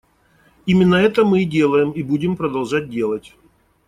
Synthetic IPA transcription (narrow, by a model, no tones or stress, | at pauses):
imʲɪnːəɛt̪əmɨdʲe̞lˠəjɪmibudʲɪmpɾəd̪ɐlˠʐat̚ʲdʲe̞lˠətʲ